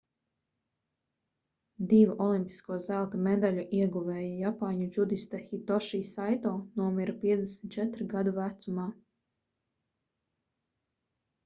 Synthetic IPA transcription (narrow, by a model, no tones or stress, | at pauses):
d̪ivuʔɔlˠimpi̥skuɔzælˠt̪imed̪aʎuʔiɛɡuvɛːjajapaːɲud͡ʒud̪ist̪axit̪ɔʃiːsajt̪ɔːnuɔmiɾapiɛd̪ʲɛsʲmʲt̪̚ʲt͡ʃɛt̪ɾɡad̪uvæt̪sumaː